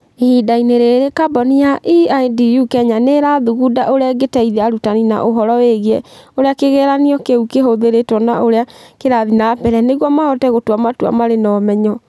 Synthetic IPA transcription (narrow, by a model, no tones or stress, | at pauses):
hidaineɾeɾekabɔnijaʔiajdijukɛɲaneɾaðuɣudaʔoɾeɛɡetɛiðaɾutanina̰ʔoɦɔɾɔeɣeɛoɾeakeɣeɾaniɔkeukeɦoðeɾetɔnaʔoɾeakeɾaðinapɛɾɛneɣwɔmahɔtɛɣotwamatua̰maɾenɔːmɛɲɔ